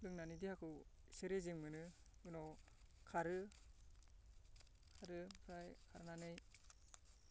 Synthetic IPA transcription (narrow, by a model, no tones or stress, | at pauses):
lɯŋnanidiakʰɯw | seɾezɯŋmɯnɯ | ɡɯnɔ | kʰaɾɯ | kʰaɾɯpʰɾajkʰaɾnanɯj